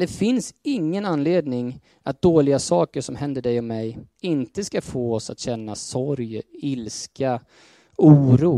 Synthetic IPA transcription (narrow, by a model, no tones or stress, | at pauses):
d̪ɛfɪnsɪŋːənanːleːd̪nɪŋ | ʔat̪̚d̪̥oːlɪɡasɑːkəʂɔmhɛnd̪əɖɛjɔmɛjɪnt̪əskafoːɔsa̰t̪ɕɛnːasɔɾjɪlskʰa | uːɾuː